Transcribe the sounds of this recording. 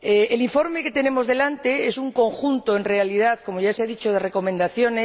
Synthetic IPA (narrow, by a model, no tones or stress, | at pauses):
eeliɱfo̞ɾmeket̪ene̞mo̞zðe̞lant̪eesuŋko̞ŋxunt̪oenrealið̞aθko̞moʝaseaðit͡ʃoð̞e̞re̞ko̞mẽnd̪aθjone